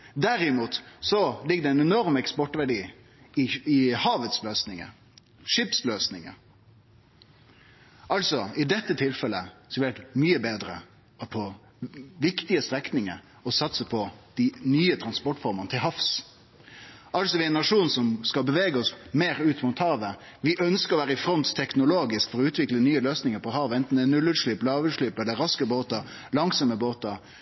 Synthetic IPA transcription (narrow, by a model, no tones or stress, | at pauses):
d̪æɾɪmuːt̪sɔlɪɡd̪ɛæɪnɛnɔɾmɛkspɔʈʋæɖiː | ɪɪhɑːʋət̪sløːsnɪŋə̰ | ʂɪpsløːsnɪŋə̰ | ʔɑlsɔɪd̪ɛt̪ːət̪ʰɪlfɛlːəsɔʋɛʈmyːəbeːd̪ɾə̰ | pʰɔ | ʋɪkt̪ɪəst̪ɾɛknɪŋə̰ | ɔsɑt̪səpʰɔd̪̥ɪnyːət̪ʰɾɑnspɔʈːfɔɾmɑnət̪ʰɪlɦɑfs | ʔɑlsɔʋɪɛnnːɑʂuːnsɔmskɑlbəʋeːɡəɔsmeːɾʉːt̪mʊt̪hɑːʋə | ʋɪʔœnskəɾɔʋæːɾəɪfɾɔnt̪t̪ʰːɛknʊloːɡɪskfɔɾɔʉːt̪ʰʋɪklənyːəløːsnɪŋəɾpʰɔɦɑːʋɛnt̪n̩d̪ɛnʉlʉːd̪ʂɭɪplɑːʋʉːʂɭɪpɛlːəɾɑskəboːt̪ɑlɑŋsɔməboːt̪ɑ